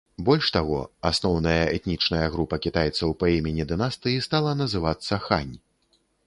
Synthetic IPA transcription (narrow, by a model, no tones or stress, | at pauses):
bɔlʲʂt̪aɣɔ̰asnɔwnɐjɐɛt̪nʲit͡ʂnɐjɐɣɾupɐkʲit̪ajɛt̪sɐwpaimʲenʲid̪ɨnast̪ɨjist̪alˠɐnɐzɨvat̪sːɐxa̰nʲ